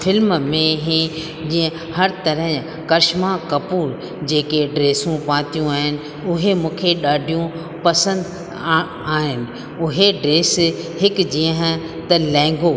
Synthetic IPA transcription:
fʰɪlmmẽɦẽ | d͡ʑiːə̃ | hɐɾt̪ɐɾəɦɪ̃ | kɐɾʃmãkɐpuːɾ | d͡ʑeːkeɖɾeːsũpãːt̪ijũaːɦɪnɪ̆ | ʊɦemũːkʰeɗaːɖʱijũ | pɐsə̃nd̪ | aːɦɪnɪ̆ | ʊɦeɖɾeːshɪkd͡ʑiə̃ɦ | t̪ɐlɛ̃ːŋɡo

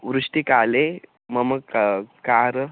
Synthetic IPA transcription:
ʋɾuʂʈikale | məməkkaːɾ

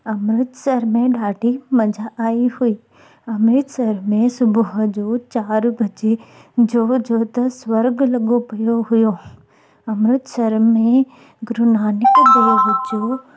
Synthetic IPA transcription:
ɐmɾɪt̪sɐɾmẽɗaːɖʱimɐd͡ʑʱaʔːiɦuiː | ɐmɾɪt̪sɐɾmẽsʊbʱʊɦd͡ʑoːt͡ɕaːɾbʱɐd͡ʑe | d͡ʑoːd͡ʑoːt̪ɐsʋɐɾɡlɐɠopɐjoɦʊjo | ɐmɾɪt̪sɐɾmẽ | ɡʊɾʊnaːnɪkd̪oːɦʊd͡ʑoː

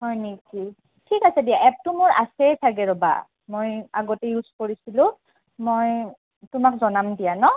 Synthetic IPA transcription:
ɦɔjniki | tʰikasɛdijaʔɛp̚tumʊɹa̰sɛtʰaɡɛɹɔba̰ | mojaɡɔtɛjuzkoɹisilʊ̃ | moj | tʊmakzɔnamdijanɔ

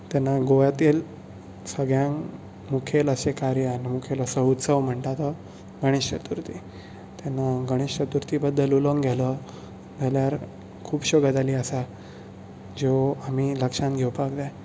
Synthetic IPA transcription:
t̪ɛnːaɡojat̪iːl | səɡɭjãŋ | mukʰeləsekaɾjəanimukʰeləsəut̪səʋm̤əɳʈ̪at̪ə | ɡəɽ̃ist͡ɕət̪uɾt̪i | t̪anːaɡəɽ̃ist͡ɕət̪uɾt̪ibəd̪ːəluləŋɡɡʱɛlə | d͡zʱaljaɾ | kʰuːbɕoɡəd͡z̪aliːəsa | d͡ʑeamiləkʂãnɡʱewpaɡd̪a

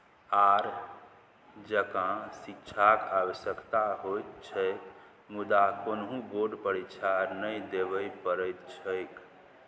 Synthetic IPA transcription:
aɾ | d͡ʒəkãsik̚t͡ʃʰakawəsjəkt̪aɦojt̪t͡ʃʰɛ | mud̪akonɦũboɾɖpəɾit͡ʃʰaɾnəjd̪ebəjpəɾəjt̪t͡ʃʰəjk

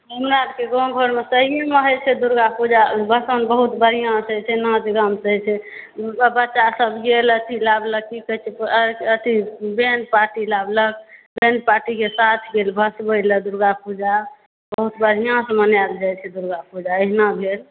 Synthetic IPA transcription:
ɦəmɾabkeɡõɡʱəɾmesəɦieməɦət͡ʃʰed̪uɾɡapud͡ʒabʱəsənbəɦut̪bəɾ̤ijãsəɦt͡ʃʰɛnãd͡ʒɡəmsəɦɛt͡ʃʰɛ | bətːʃasəbɡelət̪ʰilabləkkikət͡ʃʰɛət̪ʰibenʈ̚paʈilablək̚benɖ̚paʈikesat̪ʰɡelbʱəsbəjləd̪uɾɡapud͡ʒa | bəɦut̪bəɾ̤ʱijãsə̃mənjald͡ʒajt͡ʃʰɛd̪uɾɡapud͡ʒaeɦnabʱel

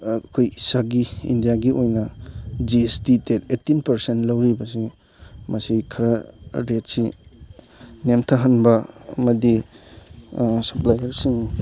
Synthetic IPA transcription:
kʰojisaɡiḭndijaɡiʔojnɐd͡ʒiestiteɾetːinpɐɾsentlɐwɾibɐsi | mɐsikʰɐɾaɾet̚si | nemtʰaɦɐnbɐɐ̰mɐdi | sɐplajɐɾsiŋ

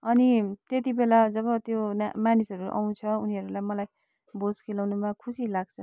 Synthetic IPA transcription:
ʌnit̪et̪̬ibelad͡zʌβʌt̪jonmanisʌɾuʔa̰w̃t͡sʰʌuniɦʌɾulajmʌlaj | bod͡zkelawnumãkʰusilaɡ̚t͡sʰʌ

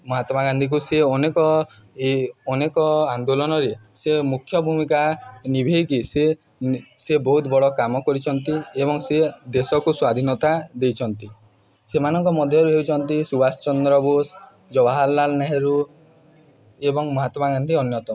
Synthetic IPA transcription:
mɔɦat̪ɔmaɡand̪ʱik̬useɔnekɔ | eɔnekɔand̪olɔnɔɾesemukʰːjɔbʱumikanibʱejkise | sebɔɦut̪bɔɭɔkamɔkɔɾit͡ʃʰɔnt̪ieβɔŋsed̪esɔkuswad̪ʱinɔt̪ad̪ejt͡ʃʰɔnt̪i | semanɔŋkɔmɔd̪ʱjɔɾuɦeut͡ʃʰɔnt̪isubast͡ʃɔnd̪ɾɔbos | d͡ʒɔbaɦalːalnaɦeɾu | ebɔŋmɔɦat̪ɔmaɡand̪ʱiɔnjɔt̪ɔ

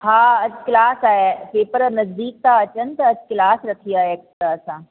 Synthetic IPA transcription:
haːɐd͡ʑkɪlaːsaːɦepeːpəɾnɐzd̪iːk̚t̪aɐt͡ɕənt̪ɐɐskɪlaːsɾɐkʰiaːɦekʈɾaɐsãː

